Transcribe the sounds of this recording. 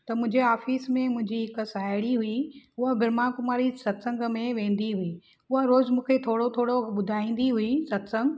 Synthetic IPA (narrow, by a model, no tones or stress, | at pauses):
t̪ɐmʊ̃ɦɪ̃ɲd͡ʑeaːfiːsmẽmʊ̃ɦɪ̃ɲd͡ʑiɦɪksaːɪɽiɦuiʊɦabʱɪɾmakʊmaːɾisɐt̪sə̃ŋɡmẽʋẽːnd̪iɦui | ʊɦaɾoːzmũːkʰet̪ʰoːɽot̪ʰoːɽoɓʊd̪ʱaːĩːn̆d̪iɦuisɐt̪sə̃ŋɡ